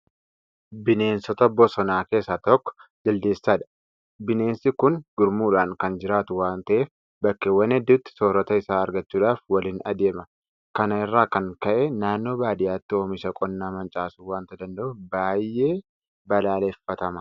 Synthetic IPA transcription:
bɪne̞ːnsɔt̪ɐbɔsɔnaːke̞ːsːat̪ɔkːɔ̥d͡ʒ̪ɪld̪eːsːaːᶑɐ̥ | bɪne̞ːnsɪkʊnɡ̥ʊɾmuːᶑaːŋkɐnd͡ʒɪɾaːt̪ʊwaːnt̪ɐʔe̞ːf | bɐkːeːwɐnɛd̪ːuːt̪ːɪ̥soːɾɔt̪ɐɪsaːɐɾɡɐt͡ʃːuːᶑaːfwɐliːnɐ̰d̪e̞ːmɐ | kɐnɐɪrːaːkɐŋkɐʔenaːnːo̞ːbaːd̪ɪjaːt̪ːɪo̞ːmɪʃɐkʼɔnːaːmɐnt͡ʃʼaːsuːwaːnt̪ɐd̪ɐnd̪ɐʔʊbaːjːe̞ː | bɐlaːlefːɐt̪ɐmɐ̥

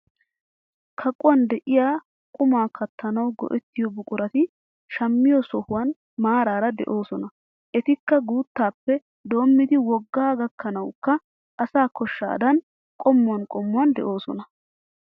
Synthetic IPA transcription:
kʰɐkʼʊwɐnd̪ɛʔɪjaː | kʼʊmaːkɐt̪ʰːɐnɐwɡɔ̰ʔɛt̪ːɪjɔbʊkʼʊɾɐt̪ɪ | ʃɐmːɪjɔsɔhʊwɐn | maːɾaːɾɐd̪ɛ̰ʔo̞ːsɔnɐ | ʔɛt̪ɪkːɐɡuːt̪ːaːpːɛ | d̪o̞ːmːɪd̪ɪwɔɡːaːɡɐkːɐnɐwkːɐ | ʔɐsaːkɔʃːa̰ːd̪ɐn | kʼɔmːʊɐnkʼɔmːʊɐnd̪ɛ̰ʔo̞ːsɔnɐ

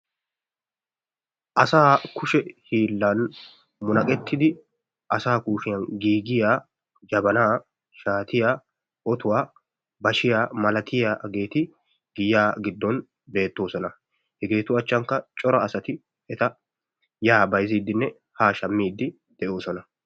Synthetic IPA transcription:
ʔɐsaːkʰʊʃɛhiːlːɐn | mʊnɐkʼɛt̪ʰːɪd̪ɪ | ʔɐsaːkuːʃɪjɐnɡiːɡɪjaː | d͡ʒɐbɐnaː | ʃaːt̪ɪjaː | ʔɔt̪ʊwaː | bɐʃɪjaːmɐlɐt̪ʰɪjaːɡe̞ːt̪ɪ | ɡɪjaːɡɪd̪ːɔn | be̞ːt̪ːo̞ːsɔnɐ | hɛɡe̞ːt̪ʊɐt͡ʃːɐŋkːɐt͡ʃʼɔɾɐːsɐt̪ɪ | ɛt̪ɐ | jaːbɐjziːd̪ːɪnːɛ | haːʃɐmːiːd̪ːɪ | d̪̥ɛʔo̞ːsɔnɐ

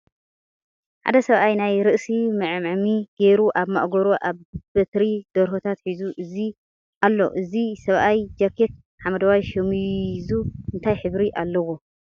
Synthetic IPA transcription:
ħa̰d̪ɐsɐβʔajnajɾɨʔsimɨʕɨmʕmiɡ̥eɾuʔaβmaʔɡoɾoʔaβbɐt̪ɾid̪̥ɐɾhot̪ʰat̪ħizuʔɨzi | ʔalːo̞̰ʔɨzisɐβʔajd͡ʒɐkʰek̚ | ħamɐd̪ɐwajʃɐmizuɨnt̪ʰajħɨβɾiʔalːɐwo

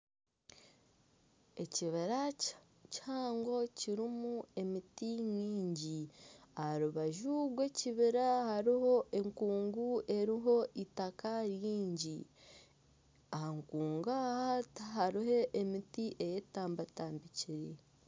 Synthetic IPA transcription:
e̞ciβiɾa | caːŋɡo̞ciɾimue̞mitiɲiːɲɟiahaɾuβaʒuɡwe̞ciβiɾahaɾiɦo̞ʔe̞ŋkuːŋɡuʔe̞ɾiɦo̞ʔitakaɾjiːɲɟi | ahaŋkuːŋɡahathaɾiɦo̞ʔemitiʔe̞jetaːmbataːmbiciɾe

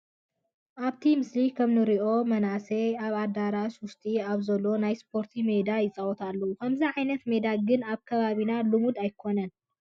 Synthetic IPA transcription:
ʔaβt̪ʰimɨslikʰɐmnɨɾiʔo̞mɐnaseaβad̪aɾaswʊst̪ʼiaβzɐlːo̞najspʰo̞ɾt̪ʰime̞d̪ajɪt͡sʼawɔt̪ʰalːɐwukʰɐmziʕajnɐt̪me̞d̪aɡɨnaβkʰɐβaβinalumud̪ajkʰo̞nɐn

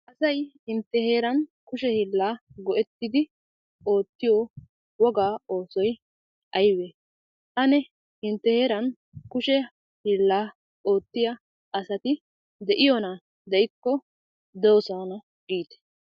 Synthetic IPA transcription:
ʔɐsɐjhɪnt̪ːɛhe̞ːɾɐnkʊʃɛhiːlːaːɡɔʔɛt̪ːɪd̪ɪ | o̞ːt̪ːɪjo | wɔɡaːoːsɔj | ʔɐjwe | ʔɐnɛ | hɪnt̪ːɛhe̞ːɾɐn | kʊʃɛ | hilːaː | ʔo̞ːt̪ːɪjɐ | ʔɐsɐt̪ɪ | d̪ɛʔɪjɔna | d̪ɛjɪkːɔ | d̪ɛwɔsanɐ | ɡiːt̪ɛ̥

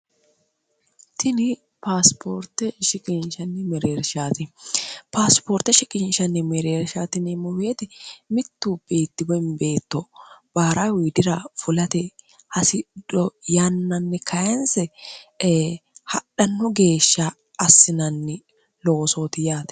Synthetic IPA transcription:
t̪ɪnɪ | paːspʰoːɾt̪ːɛʃɪkʼɪnʃɐnːɪmɛɾeːɾʃaːt̪ɪpaːspoːɾt̪ːɛʃɪkʼɪnʃɐnːɪmɛɾeːɾʃaːt̪ɪnɛmɔweːt̪ɛmɪt̪ːuːb̥e̞ːt̪ːɪbɔɪnbe̞ːt̪ːɔb̥aːɾaːwiːd̪ɪɾɐfʊlɐt̪ɛ | hɐsɪd̪̥ɔjɐnːɐnːɛkʰɐjɐnsɛ | hɐɗɐnːɔɡe̞ːʃːɐ | ɐsːɪnɐnːɪ | loːso̞ːt̪ɪjaːt̪ɛ̥

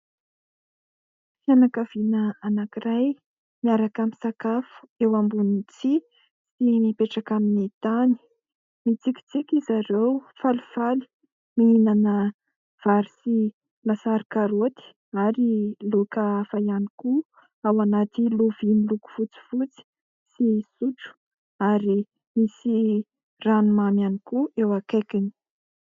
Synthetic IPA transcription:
janakav̥inəanakiraj | miaɾakamisakafu̥ewambunit͡si | simipeʈ͡ʂakaminit̪ani̥ | mit͡sikʲi̥t͡sikʲizaɾewfalufalu̥ | miinanə | v̥aɾisi | lasaɾikaɾot̪i̥ | aɾilokafajaniku | awanat̪iloviniluku̥fut͡si̥fut͡si̥ | sisuʈ͡ʂu̥ | aɾi | misi | ranumamanikuewakekini̥

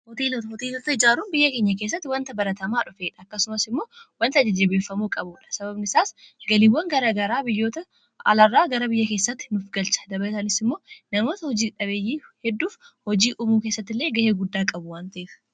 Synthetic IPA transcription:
hɔt̪iːlɔt̪hɔt̪iːlɔt̪ːɐɪd͡ʒaːɾuːnbɪjːɐkeːɲːɐkeːs̬ːɐt̪ːɪwɐnt̪ɐbɐɾɐt̪ɐmaːᶑʊfeːᶑɐɐkːɐsʊmɐsɪmːo̞ːwɐnt̪ɐd͡ʒɐd͡ʒebeːfːɐmuːkʼɐbʊːᶑɐ̥sɐbɐbnɪsaːsɡɐlɪwːɐŋɡɐɾɐɡɐɾaːbɪjːo̞ːt̪ɐ | ɐ̰lɐrːaːɡɐɾɐbɪjːɐke̞ːsːɐt̪ːɪ̥nʊfɡɐlt͡ʃɐ̥d̪ɐbɐt̪ɐnɪsɪmːoːnɐmo̞ːt̪ɐhɔd͡ʒiːᶑɐβeːjːiːhɛd̪ːuːfhɔd͡ʒiːʔʊmuːkeːsːɐt̪ːɪlːe̞ːɡɐheːɡʊd̪ːaːkʼɐbʊwaːnt̪ɐeːfɐ̥

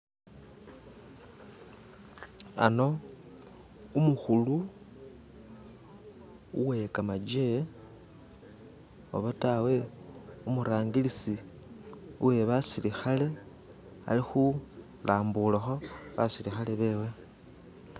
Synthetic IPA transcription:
a̰no̞ | umuxulu | uwekamad͡ʒe | o̰βatawe̞umuɾaːŋɡilisi | uwe̞βasilixale̞ | a̰lixu | laːmbulaxo̞βa̰silixale̞βe̞ːwe̞

